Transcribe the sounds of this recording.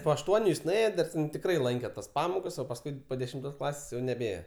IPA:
poː ɐʃˈtuɔnʲʊ jɪs nʊˈeːjoː dɐr tʲɛn tʲɪkˈrɐɪ ˈlˠɐŋʲkʲɛ tɐs ˈpɑːmoːkɐs oː pɐsˈkʊɪ poː dʲɛʃʲɪmˈtoːs ˈklˠɑːsʲeːs jɛʊ nʲɛˈbʲeːjɛ

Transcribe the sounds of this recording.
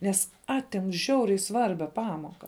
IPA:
ˈnʲɛs ˈɑːtʲɪm ˈʒʲɛʊrʲɛɪ ˈsʋɐrʲbʲɛ ˈpɑːmoːkɐ

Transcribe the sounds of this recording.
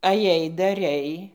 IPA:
ɐˈjɛɪ dɐˈrʲɛɪ

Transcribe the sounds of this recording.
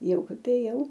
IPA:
ˈjɛʊ ˈkɐp eːˈjɛʊ

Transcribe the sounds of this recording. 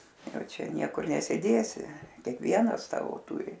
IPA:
ˈjɛʊ ˈt͡ʃʲɛ ˈnʲiɛkʊr nʲɛˈsʲɪdʲeːsʲɪ ˈkʲiɛkʋʲiɛnɐs ˈsɑːʋoː ˈtʊrʲɪ

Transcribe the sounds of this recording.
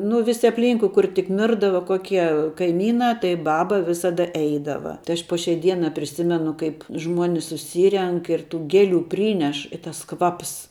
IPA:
nʊ ˈʋʲɪsʲɪ ɐpʲˈlʲiːŋkʊɪ kʊr tʲɪk ˈmʲɪrdɐʋɐ ˈkoːkʲiɛ kɐɪˈmʲiːnɑː tɐɪ ˈbɑːbɐ ˈʋʲɪsɐdɐ ˈɛɪdɐʋɐ tɐɪ ˈɐʃ poː ʃʲɛɪ ˈdʲiɛnɐ pʲrʲɪˈsʲɪmʲɛnʊ ˈkɐɪp ˈʒmuɔnʲɪs sʊˈsʲiːrʲɛŋk ɪr tuː ˈɡʲeːˌlʲuː ˈpʲrʲiːnʲɛʃ ɪ tɐs ˈkʋɐps

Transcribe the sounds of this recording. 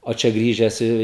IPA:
oː ˈt͡ʃʲɛ ˈɡrʲiːʒʲæːs ɪ

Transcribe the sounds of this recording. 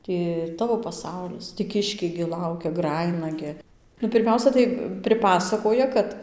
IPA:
tʲɪ ˈtɑːʋoː pɐˈsɐʊlʲɪs tʲiː ˈkʲɪʃʲkʲɛɪ ɡʲɪ ˈlˠɐʊkʲɛ ˈɡrɑːjɪnɐ ɡʲɪ nʊ pʲɪrʲˈmʲɛʊsʲɛ tɐɪ pʲrʲɪˈpɑːsɐkoːjɛ ˈkɐt

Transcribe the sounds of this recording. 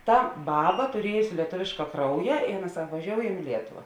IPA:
ˈtɐ ˈbɑːbɐ tʊˈrʲiɛjʊsʲɪ lʲiɛˈtʊʋʲɪʃkɐ ˈkrɐʊjɛ ɪ ˈɑːˌnɐ ˈsɐk ʋɐˈʒʲoːʊjɛm ɪ ˈlʲiɛtʊʋɐ

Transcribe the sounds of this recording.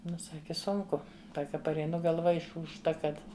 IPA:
ˈnʊ ˈsɑːkʲɪ ˈsʊŋkʊ ˈsɑːkɐ pɐrʲɛɪˈnʊ ɡɐlˠˈʋɐ ɪʃuːʃˈtɐ ˈkɐt

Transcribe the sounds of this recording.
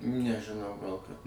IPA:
nʲɛʒʲɪˈnɐʊ ɡɐlˠ kɐt

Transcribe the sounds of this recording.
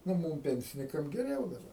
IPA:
ˈnʊ ˈmuːm ˈpʲɛnʲsʲɪnʲɪkɐm ɡʲɛˈrʲɛʊ dɐˈbɐ

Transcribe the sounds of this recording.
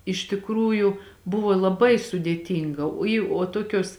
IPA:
ɪʃ tʲɪkˈruːjuː ˈbʊʋoː lˠɐˈbɐɪ sʊdʲeːˈtʲiːŋɡɐ oː iː oː ˈtoːkʲoːs

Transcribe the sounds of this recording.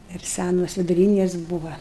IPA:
dɐr ˈsʲænoːs ʋʲɪdʊˈrʲiːnʲeːs ˈbuːʋɐ

